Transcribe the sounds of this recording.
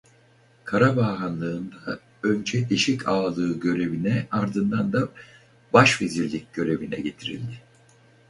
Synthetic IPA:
kʰaɾabaːɦanlˠɯːnd̪a | ø̞nd͡ʒɛd̪iʃicʰaːlˠɯːɟø̞ɾe̞vinɛaɾd̪ɯnd̪and̪a | baʃveziɾlʲic̚ʲɟ̥ø̞ɾe̞vinɛ̰ɟe̞t̪ʰiɾḭlʲd̪ɪ

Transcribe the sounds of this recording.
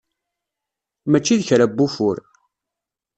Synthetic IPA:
mæt͡ʃːiðçɾæbːufʊɾ

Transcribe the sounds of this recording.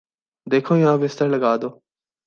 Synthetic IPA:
d̪eːkʰõːjãːʋɪst̪əɾləɡaːd̪oː

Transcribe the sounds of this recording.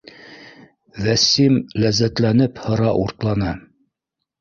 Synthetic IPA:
ðæsimlæzːæt̪lænɘphɤ̆ɾɑʔuɾt̪lˠɑnɑ

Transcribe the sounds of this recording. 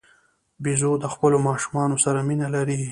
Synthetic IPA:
bizod̪əxpəlomɑʃumɑnosaɾaminalaɾi

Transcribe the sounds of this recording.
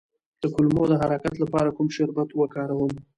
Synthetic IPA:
d̪̥əkʊlmod̪əɦaɾakat̪lapɑɾakumʃʊɾbat̪wəkɑɾawəm

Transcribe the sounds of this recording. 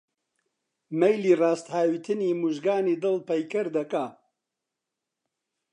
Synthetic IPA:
mɐjliːraːst̪haːwiːt̪ʰɨniːmuʒɡaːniːd̪ɨlpɐjkɨɾd̪ɐkaː

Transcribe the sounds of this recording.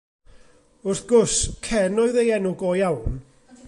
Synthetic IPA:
ʊrθɡ̥ʊskʰɛnɔɨðejɛnuɡoːjawn

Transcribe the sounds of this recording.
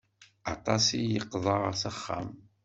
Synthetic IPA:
ɑt̪ˤɑsijəqːðˤəʁsæχːa̰m

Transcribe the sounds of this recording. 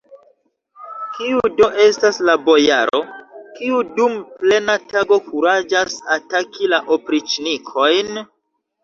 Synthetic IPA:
kiudo̞ʔe̞staslabo̞ja̰ɾo̞̰kiudumple̞nataɡo̞kuɾad͡ʒasatakilaʔopɾit͡ʃnikʰo̞jn

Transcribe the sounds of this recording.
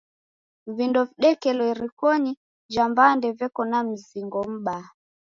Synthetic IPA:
vindɔviɗɛkɛlwɔɛɾikɔɲi | d͡ʒambandɛvɛkɔnam̩ziŋɡɔm̩ɓa

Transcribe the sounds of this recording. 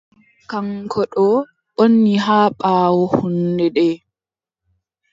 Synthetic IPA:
kaŋkʰɔɗɔ | ɓonːiɦaːɓaːwɔhundɛɗɛː

